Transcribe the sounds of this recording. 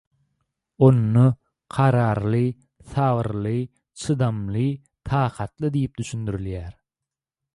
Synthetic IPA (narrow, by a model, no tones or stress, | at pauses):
onːo | qʰɑɾɑːɾlˠɯ | θɑwɯɾlˠɯ | t͡ʃʰɯd̪ɑmlˠɯ | t̪ʰɑːqʰɑt̪lˠɯd̪ijip̚d̪yʃynd̪yɾyljæːɾ